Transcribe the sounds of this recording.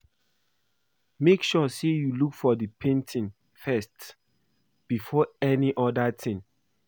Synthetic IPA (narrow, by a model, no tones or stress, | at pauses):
mekʃɔsejulukfɔdəpʰẽntʰĩn | fɛst | b̥ifɔɛniʔɔdatʰɪ̃n